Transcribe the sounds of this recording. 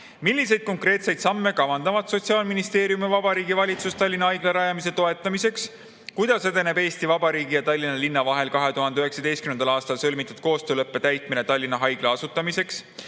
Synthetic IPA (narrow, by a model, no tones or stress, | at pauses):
milʲːise̞jd̪̥̚ko̞ŋkre̞ːt̪se̞jd̪sɑmːe̞kɑvɑnd̪ɑvɑd̪̥so̞t̪ʲsiɑːlminist̪e̞ːɾijumivɑbɑɾiːɡivɑlʲit̪sust̪ɑlʲːinɑhɑjɡ̥leɾɑjɑmis̬e̞t̪o̞e̞t̪ˑːɑmise̞ks | kujd̪̥ɑsed̪e̞ne̞be̞ːst̪ivɑbɑɾiːɡ̥ijɑt̪ɑlʲːinɑlinːɑvɑɦe̞lkɑɦe̞t̪uhɦɑnd̪eyɦe̞ksɑd̪e̞jst̪kynend̪ɑlɑːst̪ɑlsɤlʲmit̪ːˑud̥̪̚ko̞ːst̪øːlɤpːe̞t̪æjt̪ˑmine̞t̪ɑlʲːinːɑɦɑjɡ̥leɑsut̪ːˑɑmise̞ks